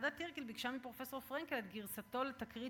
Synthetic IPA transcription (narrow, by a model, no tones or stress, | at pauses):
dat̪ːiʁkilbiɡʃamipʁo̞fesoʁfʁɛŋkelet̪ɡiʁsat̪o̞let̪akʁi